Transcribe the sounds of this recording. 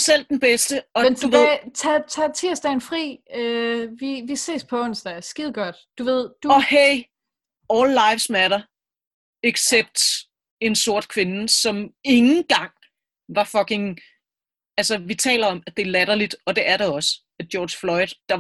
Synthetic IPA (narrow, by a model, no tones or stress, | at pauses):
sel̰d̥enb̥esd̥əɒ̽mnduʋeðˠt͡sʰɛt͡sʰɑt͡sʰe̝ɐsd̥æenfʁḭːøʋiʋise̝̰ːspʰɒ̽ɔnsd̥æsɡ̥iðˠɡ̥ɒd̥d̥uʋe̝ð̞̰ˠd̥uɒ̽heɪ̰ | ɒːlːɑ̈ɪʋsmæɾɐ | eɡ̥seb̥̚d̥ | e̝nso̝ɐ̰d̥̚kʰʋe̝nəsɒ̽me̝ŋn̩ɡ̥ɑ̈ŋ̰ | ʋɑ̈fɒ̽ke̝ŋ | ælsɐʋit͡sʰɛ̰ːlɐɒ̽mæ̥d̥e̝ɐlæɾɐlid̥ɒ̽d̥e̝ʔæɐɾɑɒ̽sə | æ̥jɒːd̥ɕflɒ̽ɪd̥d̥ɑ̈